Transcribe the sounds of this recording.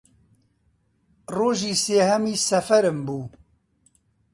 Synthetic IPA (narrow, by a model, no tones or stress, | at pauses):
roːʒiːseːhɛmiːsɐfɛɾɨmbuː